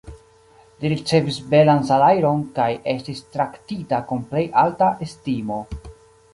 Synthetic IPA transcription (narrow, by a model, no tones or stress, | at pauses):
liɾit͡se̞visbe̞lansalajɾo̞nkaje̞stistɾaktitakumple̞jʔaltaʔestimo̞